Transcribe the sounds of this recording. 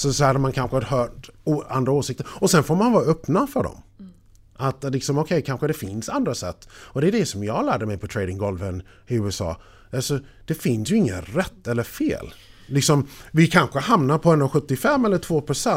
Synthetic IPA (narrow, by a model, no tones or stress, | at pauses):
sɔshad̪əmankʰanɧəɦœːʈoa̰nd̪ɾaoːʂɪk̚t̪əɾɔsɛnfoːɾmanvɑːɾaœpnafœɖɔ̰m | ʔat̪lɪksɔmɔkʰɛjkʰanɧəd̪ɛfɪnsand̪ɾasɛ̰t̪ːɔd̪ɛd̪ɛsɔmjɑːɡlæːɖəmɛjpʰɔt̪ʰɾeːd̪ɪŋɡɔlvən | ɪʉ̟ːɛsɑ̰ː | alsɔd̪̥ɛfɪnsjɵɪŋːə̰ɾɛt̪ːɛlːəfḛːlːɪksɔmvɪkʰanɧəhamnaɾpʰɔɛnːɔɧɵt̪ːɪfɛmːɛlːəʈʰv̥oːpʰɾʊsɛ